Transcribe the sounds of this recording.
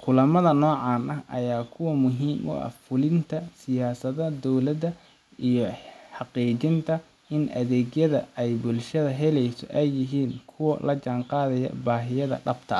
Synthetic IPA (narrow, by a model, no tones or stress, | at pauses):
kʰʊlɐmɐðɐnɔːʕɑːnɐɦʔɐ̰jaːkʰʊwɐmʊɦiːmʔʊ̰ɐ̰fʊlɪnt̪ʰɐsɪjaːsɐðɐd̪ɔwlɐdɐ | ʔijɔħɑqiːt͡ʃɪnt̪ʰɐ | ʔɪnʔɐðɛːɣjɐðɐɛjbʊlʃɐðɐɦɛlɛjsɔ̰ʔɛjːɪɦiːnkʰʊwɐ̰lɐt͡ʃaːɴqɑːðɐjɐ̰baːɦɪjɐðɐ̰ɖɐbt̪ʰɐ